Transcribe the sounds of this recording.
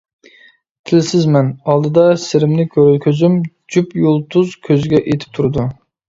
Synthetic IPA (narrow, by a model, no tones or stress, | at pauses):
t̪ʰɪlsɪzmɛnɑlˠd̪ɨd̪ɑsɪɾɪmnɪkʲʰøɾylkʲʰøzym | d͡ʒupjolˠt̪ʰuzkʲʰøzɡʲɛʔet̪ʰɪ̥p̚t̪ʰuɾɨd̪u